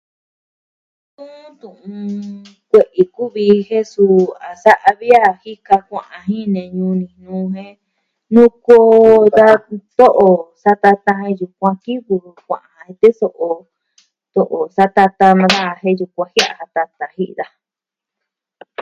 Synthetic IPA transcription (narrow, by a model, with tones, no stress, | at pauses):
t̪ũ˦t̪ũ˨ʔũ˧ | kʷe˨ʔi˨ku˦βi˧hẽ˦su˧a˨sa˦ʔa˧βi˦a˦hi˦ka˧kʷã̰˨ʔã˧ɦĩ˦nẽ˨ɲũ˧nĩ˨nũː˦˧ɦẽ˦ | nũ˦koː˦ða˦t̪o˦ʔo˨sa˦t̪a˧t̪a˧ɦẽ˧ju˧kʷã˧ki˦βu˧kʷã̰˨ʔã˨hã˧hẽ˧t̪e˦so˧ʔo˧ | t̪o˧ʔo˨sa˦t̪a˧t̪a˧nã˧ða˦˧˨ɦẽ˦ju˧kʷã˧hi˦a̰˧˨ha˧t̪a˧t̪a˧hi˦ʔða˧